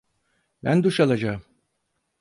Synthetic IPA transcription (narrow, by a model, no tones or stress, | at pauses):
bænd̪uʃalˠad͡ʒaːɯm